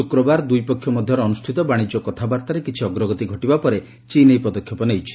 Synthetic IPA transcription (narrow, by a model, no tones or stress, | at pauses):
ukɾɔbaɾd̪ujpɔkʰːjɔmɔd̪ʱjɔɾːnusʈʰit̪ɔbaɽ̃id͡ʒɔkɔt̪ʰabaɾt̪aɾekit͡ʃʰiɔɡɾɔɡɔt̪iɡʱɔʈibapɔɾe | t͡ʃinejpɔd̪ɔkʰjɔpɔnejt͡ʃʰi̥